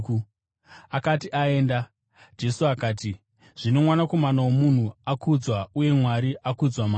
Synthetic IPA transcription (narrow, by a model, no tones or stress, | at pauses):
akatiʔae̞ːnda | d͡ʒe̞suakaːti | ʐ̥ino̞mwanako̞manawomun̤uakud͡zwauje̞mwaɾiʔakud͡zwama